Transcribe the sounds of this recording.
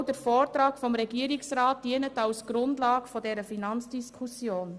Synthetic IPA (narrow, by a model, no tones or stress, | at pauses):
dəɾfoːrtɾaːkfɔmɾɛɡiəɾiksraːt̚diənətɑlsɡ̥ɾʊndlɑːɡfɔdɛɾəfinɑnt͡sd̥iskʰusjoːn